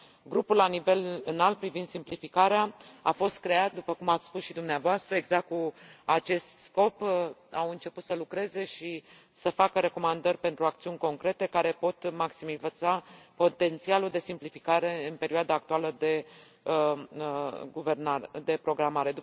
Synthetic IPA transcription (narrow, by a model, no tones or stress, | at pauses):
ɡɾupulanive̞lɨnalt̪̚pɾivind̪simplifikaɾeaafo̞st̪kɾe̞at̪̚d̪upəkumat̪sʲspusʃid̪umneavoast̪ɾəe̞ɡzak̪̚kuat͡ʃe̞st̪sko̞pawɨnt͡ʃe̞put̪səlukɾe̞ze̞ʃi | səfakəɾe̞ko̞mand̪ərʲpe̞nt̪ɾuakt̪siunʲko̞ŋkɾe̞t̪e̞kaɾe̞po̞t̪maksimivət̪sapo̞t̪e̞nt̪sialud̪e̞simplifikaɾe̞ɨnpe̞ɾioad̪aːk̚t̪ualəd̪e̞ | ɡuvernad̪e̞pɾo̞ɡɾamaɾe̞d̪u